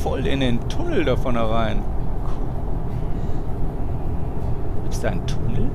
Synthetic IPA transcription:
fɔlɪ̰ndentʰʊnl̩dafɔnhɛʁaɪnkʰɔ | ɡ̥iːpstd̥aɪntʰʊnl̩

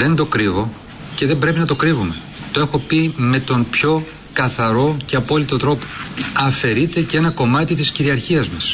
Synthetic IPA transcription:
ðe̞nd̪o̞kɾivo̞ | ce̞ðe̞mbɾe̞pinɐt̪o̞kɾivume̞ | t̪oe̞xo̞pime̞t̪o̞mpço̞ | kɐθɐɾo̞ce̞ɐpo̞lit̪o̞t̪ɾo̞poɐfe̞ɾit̪e̞cee̞nɐko̞mɐt̪it̪isciɾiɐɾçiɐzmɐs

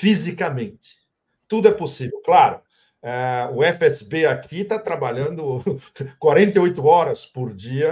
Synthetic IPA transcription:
fizikɐmẽnt͡ʃ̪ɪ̥ | t̪ud̪ʊɛposivewklaɾʊ̰ | ɛʊɛfɪɛsɪ̥beakʰit̪at̪ɾabaʎɐ̃nd̪ʊkwaɾẽnt̪ɐojt̪ʊɔɾɐspoɾd͡ʒiɐ

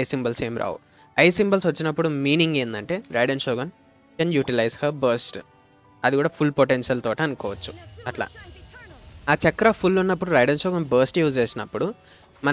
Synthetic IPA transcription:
jsimbɐlse̞ːmɾʔa̰ːwṵ | ɐjsimbɐlsʋɐt͡ʃːinɐpːuɽumiːniŋɡe̞ːnd̪ɐɳʈe̞ːɾɐjɖɐnʃoːɡɐn | kɐnjuːʈilɐjshɐbɐːɾsʈ | ɐd̪ikuːɽaːpʰulpoʈenʃɐlt̪ɔːʈaːnkɔːʋɐt͡ʃːu̥ɐʈla̰ː | aːt͡ʃɐkːɐɾɐpʰulːunːɐpːuɽuɾɐjɖɐnʃɔːɡɐnbɐːɾsʈjuːd͡ʒeːsinɐpːuɽu | mɐ

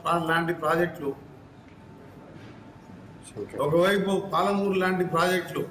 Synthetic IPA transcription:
aːlaːɳʈipɾaːd͡ʒek̚ʈu | ɔkɐʋɐjpupaːlɐmuːɾulaːɳʈipɾaːd͡ʒek̚ʈu

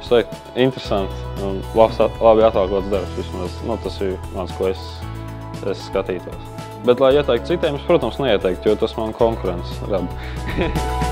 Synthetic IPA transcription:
st̪ɛkt̪ | int̪ɾesant̪lˠapslˠabiat̪alˠkluɔt̪sd̪aɾpsʋismɛsnut̪asiɾnaːt̪skuɔes | esːkat̪iːt̪uɔsʲ | bɛt̪lˠajiɛt̪ɛjk̚t̪t̪sit̪ɛjmumspɾuɔt̪omsnɛiɛt̪ɛjk̚t̪jɔt̪asmankʰɔŋkuɾɛnt̪sɾab

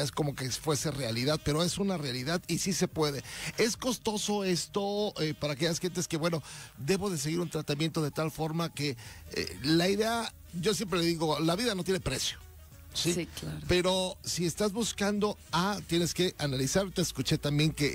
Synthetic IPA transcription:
esko̞mo̞ke̞fwe̞se̞re̞aliðaðpe̞ɾoe̞sunarealiðaðisise̞pwe̞ðe̞e̞sko̞st̪o̞so̞e̞st̪o̞epaɾaːke̞jasxe̞nt̪̬eske̞βwe̞no̞d̪e̞βo̞ðe̞s̬e̞ɣiɾunt̪ɾat̪amjent̪o̞ðe̞t̪alfo̞ɾmake̞ḛlaiðe̞a | ɟ͡ʝo̞s̬je̞mpɾe̞leðiɣo̞laβiðanot̪je̞ne̞pɾe̞sjo | silaɾpe̞ɾo̞sie̞st̪azβuskand̪o̞at̪je̞ne̞ske̞ʔanalisaɾot̪eːskut͡ʃe̞t̪ambje̞ŋke̞

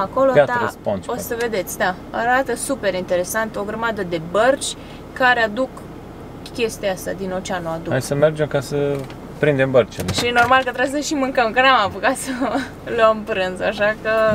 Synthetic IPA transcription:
ako̞loaəsponso̞səve̞d̪e̞t̪sʲd̪a | aɾat̪əsupe̞ɾint̪e̞ɾe̞sant̪o̞ɡɾəmad̪əd̪e̞bərt͡ʃʲ | kaɾead̪uk | kʲe̞st̪jast̪a̰d̪ino̞t͡ʃeanoad̪ua̰jsəme̞rd͡ʒemkasə | pɾind̪e̞mbərt͡ʃeleʃijeno̞rmalkət̪ɾebmsəʃimɨŋkəmkənamapukat̪sə | loəmpɾɨnzaʃakə

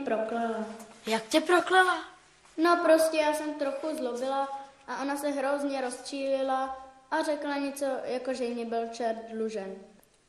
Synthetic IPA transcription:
pɾoklɛlajakcɛpɾoklɛla | no̞pɾo̞scɛjaːsɛmt̪ɾoxuzlobɪlaʔaʔo̞nasɛɦɾozɲɛɾo̞st͡ʃiːlɪlaʔarɛklaɲɛt͡so̞jako̞ʒɛjɲɪbɪlt͡ʃɛɾdluʒɛn

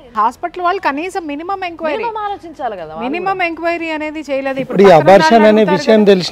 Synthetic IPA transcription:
ɦaːspɐʈɐlʋaːɭːɐkɐniːsɐmːinimɐmeŋkʋɐjːlot͡ʃːminimɐmeŋkʋɐjɾiɐne̞ːd̪it͡ʃɛːjɐleːd̪uippːuɽiɐbʱaːɾʃanɐneːʋiʃɐjɐmt̪elis

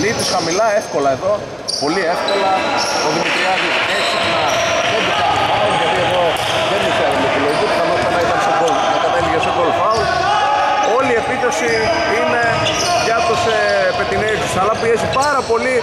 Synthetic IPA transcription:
nit̪isxɐmilɐefko̞lɐe̞ðo̞ | po̞lie̞fko̞lɐoðimit̪ɾiɐðieksixnɐðed̪ikɐnmɐozʝɐðieðo̞ | ðeniçeɐolokiloit̪ot̪ɐnot̪ɐnɐit̪ɐnsokolnɐkɐt̪e̞liʝesokolfɐund̪ | o̞lie̞pit̪ɐsi | ine̞ | ʝɐt̪ose | pet̪ineist̪isɐlɐpiesipɐɾɐpo̞li

